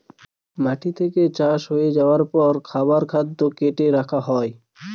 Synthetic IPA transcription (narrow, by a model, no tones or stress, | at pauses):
maʈit̪ʰeket͡ɕaʃɦojed͡ʑaoaɾpɔɾkʰabaɾkʰad̪ːokeʈeɾakʰaɦɔe